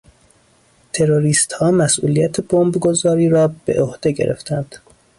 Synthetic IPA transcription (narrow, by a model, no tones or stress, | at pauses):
t̪ʰe̞ɾoɾiːst̪hɒːmæsʔṵːlijæt̪ʰebombɡozɒːɾiːɾɒːb̥e̞̰ʔohd̪̥e̞ɡɟe̞̰ɾḛft̪ʰænd̪̥